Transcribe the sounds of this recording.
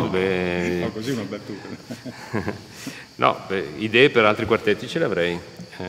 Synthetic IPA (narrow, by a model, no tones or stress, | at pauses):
bekoziunabat̪ːuːa | nʔɔ̰ɛid̪ɛːepeɾalt̪ɾikwart̪ɛt̪ːit͡ʃeleavɾɛj | ɛ